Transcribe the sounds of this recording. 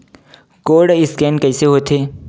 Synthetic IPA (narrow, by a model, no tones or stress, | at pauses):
koːɽɪskɛːnkɐɪseɦoːt̪ʰeː